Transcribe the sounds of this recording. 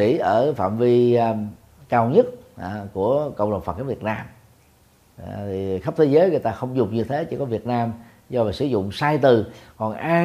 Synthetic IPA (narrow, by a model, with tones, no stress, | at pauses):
ḭ˧˥ʔəː˧˩fa̰ː˧˨mvi˧ | kaː˧wɲə˦˥t̚ːku˧˩əkə̰˧wŋ͡mɗə̰˨˩ŋ͡mfə˨˩t̚ʔa˧˦vi˨˩ət̚naː˧m˨ | t̪ʰi˨˩xə˦˥p̚t̪ʰe˨˦zəː˨˦jŋɨ˨˩əjt̪aː˧xə˧wŋ͡mzʊ˨˩ŋ͡mɲɨ˧t̪ʰe˨˦t͡ɕi˧˦kɔ˨˦vi˨˩ət̚naː˧m | zɔ˧vaː˨˩sɨ̰˧˩˦zʊ̰˧˨ŋ͡msaː˧jt̪ɨ˨˩kɔ˨˩nʔaː˧